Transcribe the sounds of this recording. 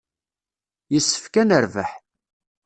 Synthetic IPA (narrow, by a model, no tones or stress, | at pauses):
jəsːə̥fkænəɾvəħ